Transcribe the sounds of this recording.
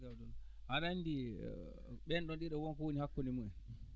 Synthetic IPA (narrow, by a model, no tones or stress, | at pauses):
ɡaɗɔnʔananːdḭ | ɓɛnɗɔnɗiɗɔwɔnkɔwonihakːɔnimuɛn